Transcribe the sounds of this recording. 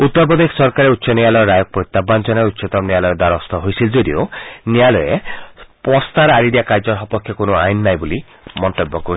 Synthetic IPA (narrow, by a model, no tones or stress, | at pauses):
ut̪ːɔɾpɔd̪eksɔɾkaɾeutːʃɔnialɔjɔɾajɔk̚pɾot̪ːabːant͡ʃɔnautːʃɔt̪ɔmnialɔjed̪aɾɔst̪ɔɦojsʰild͡ʒod̪ionialɔjepɔst̪aɾaɾid̪iakaɾd͡ʒɔɾɦɔpɔkʰjɔkonɔajnnajbuli | mɔnt̪obːɔkɔ